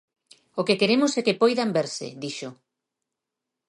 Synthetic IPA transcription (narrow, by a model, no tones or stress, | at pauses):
okekeɾemʊsɛkepojðambeɾsḛðiʃo